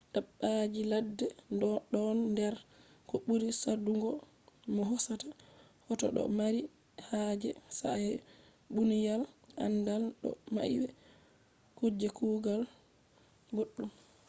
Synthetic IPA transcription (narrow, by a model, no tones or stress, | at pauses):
ɗaɓːad͡ʒiladːɛɗɔnːdɛɾ | kɔɓuɾisaduŋɡɔ | mɔɦɔsata | hɔtɔ̰ɗɔ̰maɾi | had͡ʒɛsa̰ɛ | ɓunijalʔa̰ndalɗɔ̰ma̰ʔḭwɛ | kod͡ʒːɛkuːɡal | ɡoɗːum